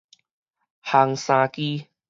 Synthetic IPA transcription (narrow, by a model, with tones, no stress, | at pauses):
ha˧ŋsã˧ki˦